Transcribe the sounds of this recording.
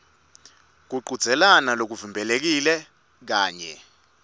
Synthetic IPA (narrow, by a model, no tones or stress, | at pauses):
k̬uǃud̥z̥ʱɛlanalok̬uvimbʱɛlek̬ilɛ | k̬aːɲɛ